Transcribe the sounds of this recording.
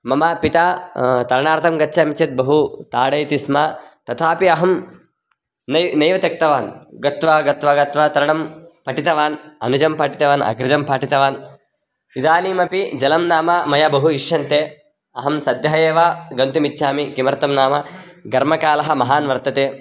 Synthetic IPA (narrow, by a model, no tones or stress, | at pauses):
mɐmɐpit̪aːt̪ɐɾɐɳaːɾt̪ɐmɡɐtːʃʰɐmit͡ʃʰɐt̪̚bɐɦut̪aːɽɐjt̪ismaːt̪ɐt̪ʰaːpiɐɦɐm | nɐjnɐjʋɐt̪ɐk̚t̪ɐʋaːnɡɐt̪ʋaːɡɐt̪ʋaːɡɐt̪ʋaːt̪ɐɾɐɳɐmpɐʈit̪ɐʋaːnɐ̰nud͡ʒɐmpaːʈit̪ɐʋaːnɐ̰ɡɾɪd͡ʒɐmpʰaːʈit̪ɐʋaːn | id̪aːniːmɐpid͡ʒɐlɐmnaːmɐmɐjabɐɦuiʃʃɐnt̪eː | ɐɦɐmsɐd̪jɐɦɐjeːʋaːɡɐnt̪umit̪ːʃʰaːmikimɐɾt̪ɐmnaːmɐɡɐɾmɐkaːlɐɦɐmɐɦaːnʋɐɾt̪ɐt̪eː